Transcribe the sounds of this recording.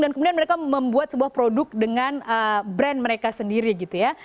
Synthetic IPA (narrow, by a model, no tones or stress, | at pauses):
dankəmudianməɾekaməmbuat̪̚səbuahpɾodʊk̚dəŋanəbɾɛnməɾekasəndiɾiɡit̪uja